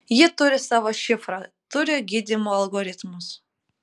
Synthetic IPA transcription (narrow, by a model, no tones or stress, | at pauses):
jɪt̪ʊɾʲɪsɑʋoʃʲɪfɾɑt̪ʊɾʲɪɡʲid̪ʲɪmʊɐlˠɡoɾʲɪt̪mʊs